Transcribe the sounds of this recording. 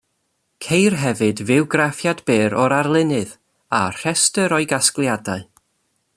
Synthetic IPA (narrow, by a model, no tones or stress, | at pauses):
kʰejrɦɛvɨdvɪwɡrafjadbeːɾɔɾarlˠɪnɨð | ar̥ɛstəɾɔɨɡasklˠjadaɨ